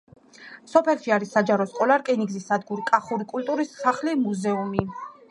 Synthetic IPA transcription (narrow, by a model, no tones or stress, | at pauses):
sɔpʰɛlʃiaɾisːad͡ʒaɾɔskʼɔlaɾkʼɛniɡzisːad̪ɡuɾikʼaχuɾikʼult̪ʼuɾisːaχlimuzɛumi